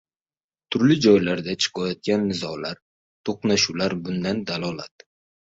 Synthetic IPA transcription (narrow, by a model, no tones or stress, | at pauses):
t̪ʰʊɾlɪd͡ʒɒjlaɾd̪at͡ʃʰɪ̥qʰɒjɒt̪̚ɡʲanːɪzɒlaɾ | t̪ʰoqnaʃulaɾbʊnd̪and̪alɒlat̪̚